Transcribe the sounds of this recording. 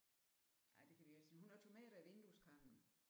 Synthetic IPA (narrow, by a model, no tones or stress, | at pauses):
a̰ɪd̥e̝kʰæʋiæsnɦunæʊt͡sʰo̝mɛ̰ːɾ̥ɐiʋe̝nd̥uskʰɑ̈mb̥n̩